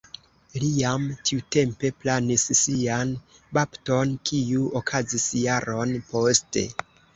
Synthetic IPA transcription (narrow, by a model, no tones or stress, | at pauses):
liamtʰiute̞mpe̞planisːianbapto̞nkʰiuokʰazisjaɾo̞npo̞ste̞̰